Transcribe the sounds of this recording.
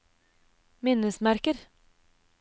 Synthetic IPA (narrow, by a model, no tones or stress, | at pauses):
mɪnəsmæɾkəɾ